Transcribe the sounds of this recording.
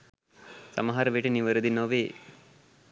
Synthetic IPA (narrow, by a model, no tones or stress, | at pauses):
sa̰məɦaɾəʋeʈəniʋəɾəd̪inoʋeː